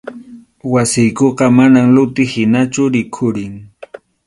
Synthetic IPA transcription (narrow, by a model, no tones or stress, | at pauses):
wasɪjkoqɑmanaŋlʊt̪ɪhɪnat͡ʃʊɾɪkʰʊɾɪŋ